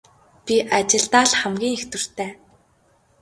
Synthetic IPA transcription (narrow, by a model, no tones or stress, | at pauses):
pʲiʔat͡ɕɪ̆ɮt̪aːɮχæmɡʲiːŋext̪ɵ̆r̥t̪ʰæː